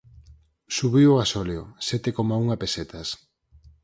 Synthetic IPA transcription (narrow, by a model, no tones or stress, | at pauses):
suβioasoljosɛt̪ekomauŋapeset̪ɐs